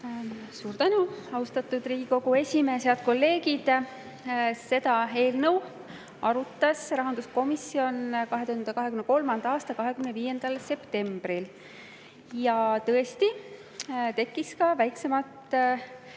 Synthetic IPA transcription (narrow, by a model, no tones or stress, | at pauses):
suːɾt̪ænuɑwst̪ɑt̪ːˑud̪riːɡ̥iko̞ɡue̞sʲimeːsheɑd̪̥̚ko̞lːe̞ːɡid̪̥ | se̞d̪̥ɑe̞ːlnəw | ɑɾut̪ːˑɑsrɑɦɑnd̪̥usko̞misio̞nkɑɦe̞t̪uhɑnd̪ekɑɦe̞kymneko̞lmɑnd̪ɑɑːst̪ɑkɑɦe̞kymneviːje̞nd̪̥ɑlse̞pt̪e̞mb̥ril | jɑt̪ɤ̞est̪i | t̪e̞kːiskɑvæjkse̞mɑt̪